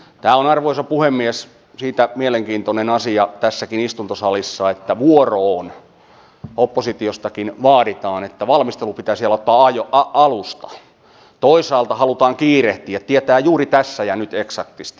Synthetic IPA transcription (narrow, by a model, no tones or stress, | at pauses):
t̪æːlonɑrʋoisɑpuhemːies | siːt̪æmieleŋkiːnt̪onenɑsiɑt̪æsːækinist̪unt̪osɑlisːɑet̪ːæʋuoroːn | opːosit̪iost̪ɑkinʋɑːɾit̪ɑːnet̪ːæʋɑlmist̪elupit̪æːsiælæot̪ːɑːɑjoʔɑɑlust̪ɑ̥ | t̪oisɑːlt̪ɑhɑlut̪ɑːŋkiːreht̪iːæt̪iet̪æːjuːrit̪æsːæjɑnyt̪eksɑkt̪ist̪i